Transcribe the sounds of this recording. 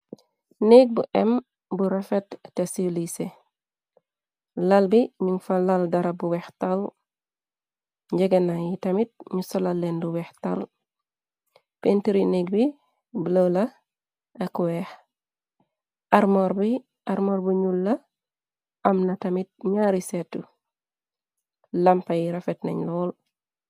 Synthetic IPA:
neɡ̚buʔɛm | buɾafetːesilise | lɐlbiɲuŋfalaldɐɾɐbuwɛxtal | ɲɟɛɡenajitɐmit̚ɲusɔlalːenduwɛxtal | pentiɾineɡ̚bi | blolɐ | ɐkwɛx | ɐɾmoɾbi | ɐɾmoɾbuɲulːɐ | ɐmnɐtɐmit̚ɲaːɾisetːu | lɐmpɐjiɾɐfet̚nɐ̰ɲlɔːl

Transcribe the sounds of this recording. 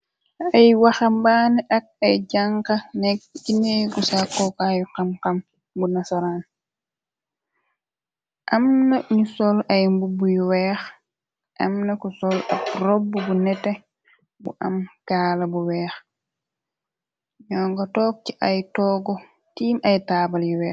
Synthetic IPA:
ajwaxambaːniʔak̚ajɟaŋkanɛk̚ineɡusakːɔkajuqamkam | bunasaɾan | ʔamnaɲusɔlajmbubujuwɛːx | ʔɐmnɐkusɔlap̚ɾɔbːubunɛtːɛ | bṵʔa̰mkaːlabuwɛːx | ɲɔːŋɡatɔːk̚t͡ʃiʔajtɔːɡɔ | tiːmajtaːbaljuwɛː

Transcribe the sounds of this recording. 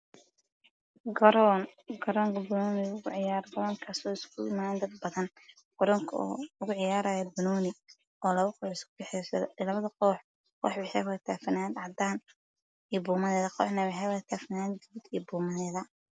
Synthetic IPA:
ɡɾnɡɐɾɔːŋkʰɐbɐnɔːnɪʊɣʊʕɪjaːɾqʊɾɔːŋkʰasɔːɪskʰʊɪmaːɛnd̪ɐd̪̚bɐðɐn | qɔɾɔŋkʰːʊɣʊʕɪjaːɾaːjɐbɐnɔːnɪ | ɔːlɐβɐqɔːħɪskʰʊbɛħɛjsɐðɔlɐβɐðɐqɔːħ | wɑ̰ħwɛħɛwɐɐt̪ʰaːfɐnaːd̪ʕɑd̪aːn | ijbuːmɐðɛːðɐqɔ̰ːħnɐwɑħɛwɐt̪ʰaːfɪnaːd̪̚ɡɐβʊd̪ḭjbuːmɐðɛːðɐ

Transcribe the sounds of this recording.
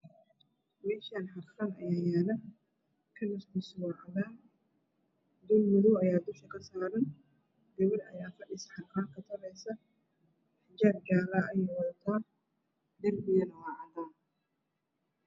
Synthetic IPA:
mɛːʃaːnħɐrxɐnɐjaːjaːlɐ | kʰɐnɐskʊswɑʕðaː | d̪ʊlmʊðɔɐjaːd̪ʊʃɐkʰɐsaːɾɐn | ɡɐβɪɾɐ̰jaːfɐɗɪsħɑrxaːŋkʰɐt̪ʰɐɾɛjsɐ | ħɪd͡ʒaːbɡaːɾaːʔɐjɔwɐðt̪ʰaː | d̪ɐmbɪjɐnɐwɑːʕɐd̪aː

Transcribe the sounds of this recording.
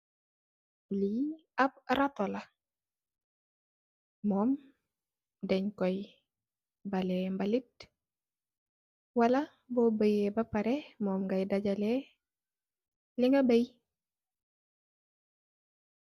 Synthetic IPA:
liab̚ɾatɔla | mɔːm | dɛɲkɔj | balɛmbalit̚ | wala | bɔbəjebapaɾɛmɔːmɡajdaɟalɛ | liŋɡabəj

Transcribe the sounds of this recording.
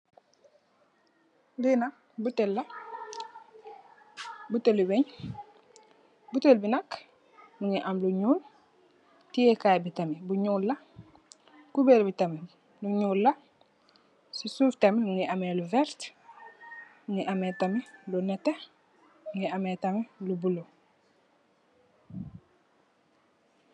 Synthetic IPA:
lina | butelːa | butelubeɲ | butelbinak | nuŋiʔamluɲuːl | tijekajbitamebuɲuːlːa | kubelbitame | luɲuːlːa | sisuːftemenuŋiameluvɛɾt | nuŋiʔametamelunete | uŋiametamelubulo

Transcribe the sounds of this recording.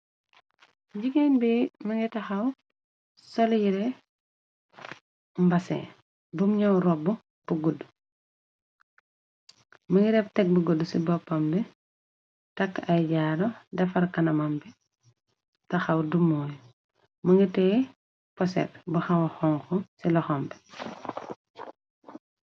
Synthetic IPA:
ɟiɡɛnbɛːmɐŋɡitɐxɐw | sɔljiɾɛ | mbɐsɛ̰ | bumɲɐwɾɔbu | b̥uɡudːu | məŋɡiɾɛptɛk̚buɡudːusibɔpːɐmbɛ | tɐkːɐjɟaːdɔdɛfɐɾkɐnɐmɐmbɛ | tɐxɐwdumːɔːj | mɐŋɡitɛ | pɔsɛ̰ɾbuxɐwxɔŋxɔsilɔxɔmbɛ̥

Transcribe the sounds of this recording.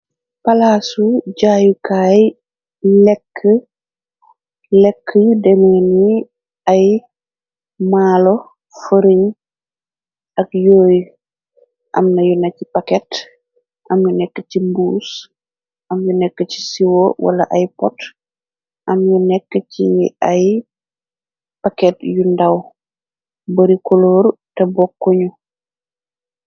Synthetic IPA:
pɐlaːsuɟaːjukaːj | lɛkʰːə | lɛkːəjudɛmɛni | ɐj | maːlo | fəɾiɲ | ʔɐkjoːj | ʔɐ̰mnɐjunɐcipakɛt | ʔɐmjunɛkːəcimbuːs | ʔɐmjunɛkːəci̥siwowʔa̰lɐʔajpɔ̰t | ʔɐmjunɛkːəciaj | pakɛtjundaw | bɐɾikɔloːɾtɛbɔkːoɲu

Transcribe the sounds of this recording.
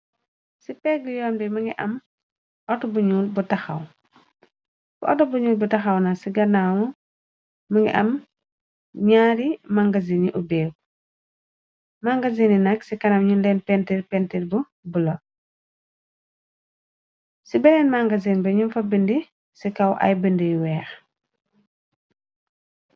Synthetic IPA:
sipɛɡjɔːmbimɐŋɡiʔɐ̰m | ʔɔtɔbuɲuːlbutɐxɐ̰w | fuʔɔtɔbuɲuːlbutɐxɐwnɐsiɡɐnawu | mɐŋɡḭʔɐm | ɲaːɾimaŋɡɐziniʔubɛːɡ | maŋɡɐzininɐksikɐnɐmɲunlɛnpɛntiɾpɛntilbu | bulɐ | sibɛlɛnmaŋɡɐzinbɐɲumfɐbindi | sikɐwʔɐ̰jbindijwɛːx

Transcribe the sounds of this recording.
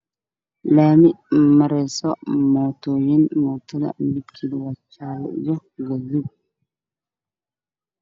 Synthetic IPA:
lamimaɾɛsɔmɔtɔjinmɔtɔla̰mbikʰːilwat͡ʃːalɛ̰d͡ʒɔɡazu

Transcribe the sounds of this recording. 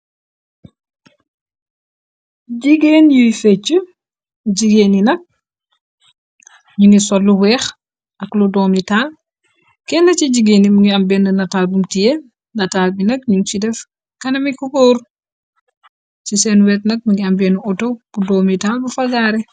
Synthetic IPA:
ɟiɡenjujfɛt͡ʃːu | ɟiɡeninɐk̚ | ɲuŋɡisɔlːuwɛːx | ɐkludɔːmitaːl | kɛnːɐciɟiɡeːnimuŋɡiɐmbɛndənɐtaːlbumtijɛ | nɐtaːlbinɐk̚ɲuŋt͡ʃidɛf | kɐnɐmikukoːɾ | t͡ʃisɛnwɛːt̚nɐk̚muŋɡiɐmbɛnuʔutob̥udɔːmitalbufɐɡaːɾɛ

